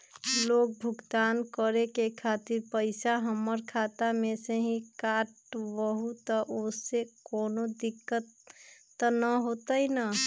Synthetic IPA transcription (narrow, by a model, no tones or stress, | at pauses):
lok̚bʱuɡd̪ankəɾekekʰat̪iɾpəɪsaɦəmːəɾkʰat̪ameseɦĩkaʈbəɦut̪əʔosekonod̪ikːət̪ː | nəɦot̪əjnə